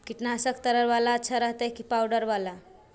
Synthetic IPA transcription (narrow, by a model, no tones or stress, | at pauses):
kiʈnasəkt̪əɾəɾʋalaətːʃʰaɾəɦt̪ekipawɖəɾʋala